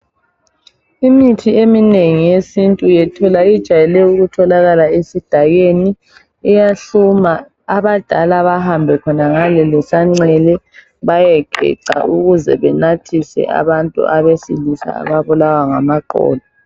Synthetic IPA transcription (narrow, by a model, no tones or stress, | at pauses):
imitʰiemineŋijesintʼujɛtʰɔlaid̥ʒ̥ʱajɛlɛuɣutʰɔlaɣalaesid̥ʱajeni | ɛjaɬuma | aβad̥ʱalaβahambʱɛkʰɔnaŋalɛlɛsaŋ͡ǀɛlɛ | βajɛɡ̥ʱɛ̰ǀa̰ʔuɣuzɛ̰βɛnatʰisɛ̰ʔa̰βantʼṵaβesilisa̰ːβaβulawaŋamaǃɔ̰ːlɔ